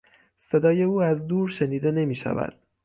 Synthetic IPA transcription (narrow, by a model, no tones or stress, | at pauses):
se̞d̪ɒːje̞uːæzd̪uːɾʃe̞niːd̪e̞ne̞miːʃæ̰væ̰d̪̥̚